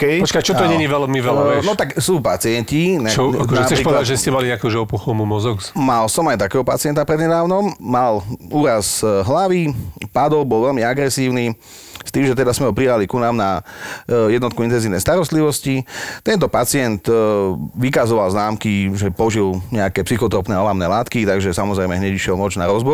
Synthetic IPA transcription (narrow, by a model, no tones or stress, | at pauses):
kɛjpɔt͡ʃkajt͡ʃɔɔɲɛɲiʋɛlmiʋɛlɛɔt̪aksuːpat͡sɪɛɲcit͡ʃɔnapsɛʃɾiːpɔʋɛladaʒɛscɛmaliɲɛakuːʒɛɔpuxɔmumɔzɔksmalsɔmajt̪akɛːɦɔpa̰t͡sɪɛnt̪apɾɛd̪ɲɛd̪aːʊnɔmːaluːɾazɦlaʋipad̪ɔlbɔlʋɛlmiaɡɾɛsiːʊni | st̪iːmʒɛt̪ɛd̪azmɛɦɔpɾialikunaːmna | jɛd̪nɔt̪kuint̪ɛnziʋnɛjst̪aɾɔst̪liʋɔscit̪ɛnt̪ɔpat͡sɪɛnt̪ | ʋikazɔʋalznaːmkiʒɛpɔʒilɲɛakɛːpsixɔt̪ɾɔpnɛːɔlamnɛːlaːt̪kit̪aɡʒɛsamɔzɾɛɪmɛɦɲɛɟiʃjɛlmɔt͡ʃnaɾɔzbɔ